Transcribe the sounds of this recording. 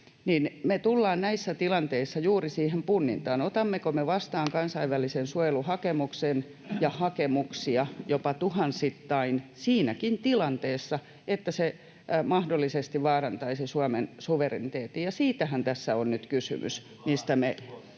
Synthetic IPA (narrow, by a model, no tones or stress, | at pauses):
niːnmet̪ulːɑːnnæisːæt̪ilɑnt̪eisːɑjuːrisiːhempunːḭnt̪ɑːnot̪ɑmːekomeʋɑst̪ɑːŋkɑnsɑiʋʋælisensuojeluhɑkemuksen | jɑhɑkemuksiɑjopɑt̪uhɑnsit̪ːɑinsiːnækint̪ilɑnt̪eːsːɑ | et̪ːæse | mɑhdolːˑisest̪iʋʋɑːrɑnt̪ɑisisuɑmensuʋerenit̪eːt̪ijjɑsiːt̪æhænt̪æsːæonnyt̪kysy̰mʔy̰s | mist̪æme